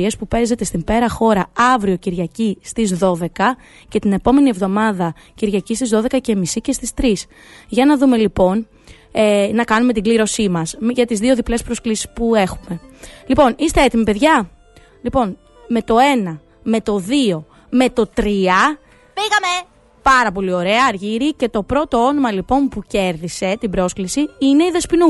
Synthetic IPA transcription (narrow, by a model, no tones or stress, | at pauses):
e̞spupe̞ze̞t̪e̞st̪imbe̞ɾɐxo̞ɾɐɐvɾio̞ciɾʝɐcist̪izðo̞ðe̞kɐ | ce̞t̪ine̞po̞me̞nie̞vðo̞mɐðɐ | ciɾʝɐcist̪izðoðe̞kɐce̞misice̞st̪ist̪ɾis | ʝɐnɐðume̞lipo̞n | enɐkɐnume̞t̪iɡliɾo̞simɐsmʝɐt̪izðio̞ðiple̞spɾo̞sklisi̥spue̞xume̞lipo̞nist̪e̞et̪imipe̞ðʝɐ | lipo̞n | me̞t̪o̞e̞nɐ | me̞t̪o̞ðio̞ | me̞t̪o̞t̪ɾiɐ | piɣɐme | pɐɾɐpo̞lio̞ɾe̞ɐːɾʝiɾice̞t̪o̞pɾo̞t̪o̞o̞no̞mɐlipo̞npuce̞ɾðise̞t̪ibɾo̞sklisiine̞iðespinu